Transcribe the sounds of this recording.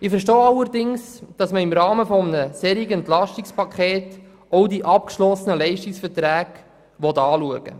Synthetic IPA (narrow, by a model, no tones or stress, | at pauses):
ɪfɛɾʃtoːɑlːəɾdɪŋsd̥ɑsməɪmɾɑːməfɔmənəseɾiɡəɛnt̪lɑʃtɪkspɑkʰχeːt | ɔwdiʔɑpkʃlɔsənəlɛɪʃtɪksfəɾtɾæːɡ̥ | ʋɔtɑːluəɡ̥ə̰